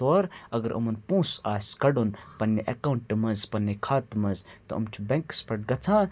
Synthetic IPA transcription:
oːɾɐɡɐɾʔṵmɐnpũːsaːsʲkɐɖunpɐnːiʔɐkawuɳʈmɐzpɐnːekʰaːt̪mɐzt̪ɐ̰ɐ̰mt͡ʃʰubẽŋkspʰɐʈ̚ɡɐt͡sʰãː

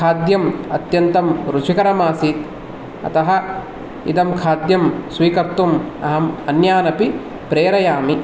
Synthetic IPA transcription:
kʰaːd̪jɐmɐt̪jɐnt̪ɐmɾut͡ʃʰikɐɾɐmaːsiːt̪ | ɐ̰t̪ɐɦɐ̆ | ḭd̪ɐmkʰaːd̪jɐmsʋiːkɐɾt̪umɐ̰ɦɐmɐnjaːnɐpi | pɾeːɾɐjaːmi

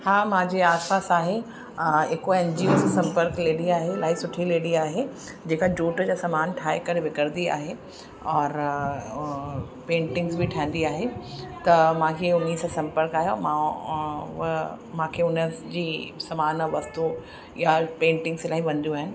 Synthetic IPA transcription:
haːmãːd͡ʑeaːspaːsaːɦe | eːkoɛːnd͡ʑioːssɐ̃mpəɾkleːɽiaːɦelaːɦisʊʈʰileːɽiaːɦe | d͡ʑeːkad͡ʑuːʈd͡ʑasɐmaːnʈʰaːekɐɾʋɪkəɾd̪ia̰ːɦe | ɔːɾ | pẽːɳʈɪ̃ŋɡzbʱɪʈʰãːɪ̃nd̪iaːɦet̪ɐmãːkʰeʊnːisãsɐ̃mpəɾkaːɦejɔːɾmã | mãːkʰeʊnəd͡ʑiːsɐmaːnɔʋɐst̪u | japẽːɳʈɪ̃ŋɡslaːɦiʋɐ̃nd̪juaːɦɪnɪ̆

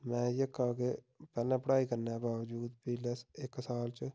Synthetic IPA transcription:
mɛ̃ːjəkaːɡe | pɛːlɛ̃ːpəɽaːiːkəɾnɛːbaːʋd͡ʒuːd̪piːleːɪksaːlt͡ʃ

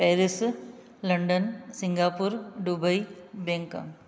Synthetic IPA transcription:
peːɾis | lɐɳɖɐnsɪŋɡaːpːuːɾɖubɐjbeŋkɐ̰m

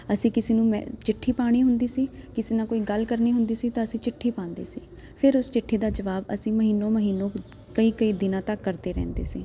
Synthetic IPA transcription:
əsĩːkɪseːnũːmɛ̰̃ːt͡ʃɪʈʰːiːpaːɽ̃iːɦʊnd̪iːsiːkɪseːnãːkoːiːɡəlkəɾniːɦʊnd̪iːsiːt̪ãːəsĩːt͡ʃɪʈʰːiːpãːnd̪ḛːsiː | pʰɪɾʊst͡ʃɪʈʰːeːd̪aːd͡ʒəʋaːbəsĩːməɦiːnːõːməɦiːnːõː | kəiːkəiːd̪ɪnãːt̪əkːəɾd̪eːɾɛ̰ːnd̪ḛːsiː

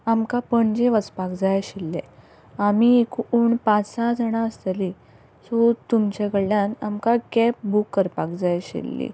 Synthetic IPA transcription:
amkapəɳd͡ʑeʋət͡spakd͡zajaɕilːḛ | amiekuːɳpãt͡sãd͡zəɽ̃ãəst̪li | sɔt̪umt͡ɕaɡəɽljãnamkakɛp̚bukːəɾpakd͡zajɕḛlːḭ

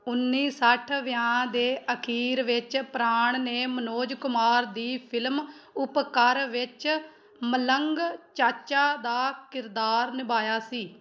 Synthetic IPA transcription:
ʊnːiːsəʈʰʋɪjãːd̪eːʔəkʰiːɾʋɪt͡ʃpɾaːɳneːmənoːd͡ʒkʊmaːɾd̪iːpʰɪlmʊpkəɾʋɪt͡ʃ | mələŋɡt͡ʃaːt͡ʃaːd̪aːkɪɾd̪aːɾnɪbaːjaːsiː

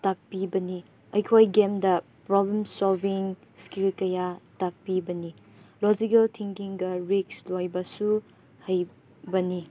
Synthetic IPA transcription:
tak̚pibɐni | ɐjkʰojɡemdɐ | pɾɔblemsolbiŋ | skilkɐjatak̚pibɐni | lɔzikɐltʰiŋkiŋɡɐɾikslojbɐsu | hɐj | bɐni

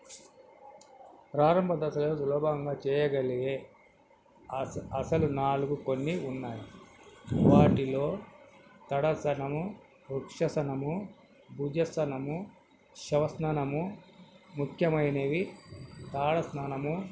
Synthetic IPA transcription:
pɾaːɾɐmbʱɐd̪ɐsɐloːslɔːbɐɐŋɡaːt͡ʃɛːjɐɡɐliɡeː | ɐsɐlunaːluɡuko̞nːiunːaːji | ʋaːʈilo̞ː | t̪ɐɽɐsɐnɐmu | ɾukʂɐsɐnɐmu | bʱuːd͡ʒɐsɐnɐmu | ʃɐʋɐsnaːnɐmu | mukʰjɐmɐjneːʋit̪aːɽɐsnaːnɐmu

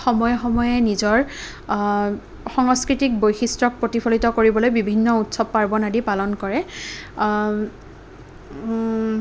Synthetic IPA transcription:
xɔmɔjxɔmɔjɛnizɔɹ | xɔŋskɹitik̚bojxistɹɔk̚pɹotipʰolitɔkoɹibɔlojbibʱinːɔutsɔb̚paɹbɔnadipalɔnkɔɹɛ

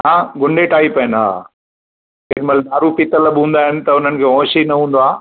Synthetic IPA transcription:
ɦãːɡʊɳɖʱeʈaːipɐɦɪna̰ː | ɪɾmɐlɗ̪aːɾupɪt̪əlɐɓɦũːnd̪aːɦɪnɪ̆t̪ɐʊn̤ənɪ̆kʰeːɦɔ̃ːʃinɐɦũːnd̪oaː

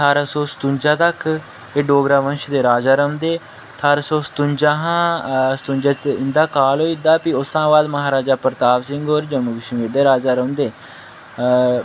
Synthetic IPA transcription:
ʈʰaːɾaːsoːst̪ʊ̃ɲʲd͡ʒaːt̪ək | eɖoːɡɾaːʋənʃd̪eːɾaːd͡ʒaːɾəmd̪eː | t̪ʰaːɾaːsoːsə̥t̪ʊ̃ɲd͡ʒaːɦãːsə̥t̪ʊ̃ɲd͡ʒaːt͡ʃɪnd̪aːkaːloːid̪aːpiʊsãːʋaːd̪məɦaːɾaːd͡ʒaːpəɾt̪aːʋsɪŋɡoːɾd͡ʒəmuːkɪʃmiɾd̪eːɾaːd͡ʒaːɾəmd̪eː

